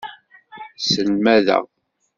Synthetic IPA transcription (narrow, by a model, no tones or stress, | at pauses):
səlmæðæ̰